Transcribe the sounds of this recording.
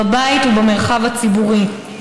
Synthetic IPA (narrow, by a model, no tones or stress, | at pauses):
abaitubemeʁχavat͡sibuʁi